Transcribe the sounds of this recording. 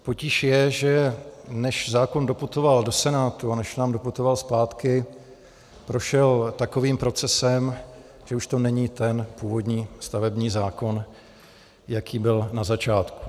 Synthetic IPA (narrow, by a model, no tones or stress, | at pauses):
po̞cɪʃjɛʒɛnɛʃzaːko̞ndo̞put̪o̞valdo̞sɛnaːt̪uanɛʃnaːmdo̞put̪ovalspaːt̪kɪ | pɾo̞ʃɛlt̪ako̞viːmpɾo̞t͡sɛsɛm | ʒ̥ɛuʃt̪o̞nɛɲiːt̪ɛnpuːvo̞dɲiːst̪avɛbɲiːzaːko̞n | jakʰiːbɪlnazat͡ʃaːt̪ku̥